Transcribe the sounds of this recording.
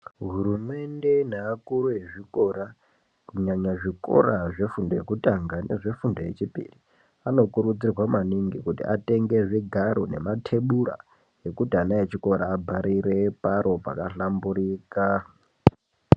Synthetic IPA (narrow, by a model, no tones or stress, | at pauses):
ɦuɾume̞nde̞naːkuɾujeʐikoɾa | kuɲaɲaʐiko̞̰ɾaʐe̞fundoje̞kutaŋɡane̞ʐe̞fundoje̞t͡ʃipḭri | ano̞kuɾud͡zirwamaniŋɡikutḭʔate̞ŋɡe̞ʐiɡʱaɾone̞̰matʰe̞ɓura̰ | e̞kutianajet͡ʃiko̞ɾaːbʱaɾʔiɾe̞paɾo̞pa̰kaɬambuɾiːka